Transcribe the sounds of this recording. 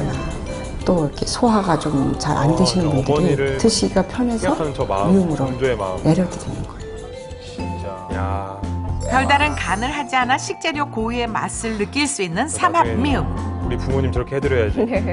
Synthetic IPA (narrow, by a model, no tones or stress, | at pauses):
na | t͈oiɾʌkʰe̞sʰoɦaɡat͡ɕomt͡ɕa̰ɾʔa̰ndeɕʰinɯnbundɯɾɾitɯɕʰiɡapʰjʌnesʰʌmiumɯɾoene̞ɾjʌdʌdenɯnɡ̥ʌeo | t͡ɕ | ja | kjʌɭdaɾɯnkanɯɭɦad͡ʑianaɕʰik̚t͡ɕ͈eɾjokoie̞ma̰s͈ɯɭːɯk͈iɭs͈uinːɯnsʰamamiumuɾikuŋmoɲimt͡ɕʌɾʌkʰehʰedɯɾjʌjad͡ʑi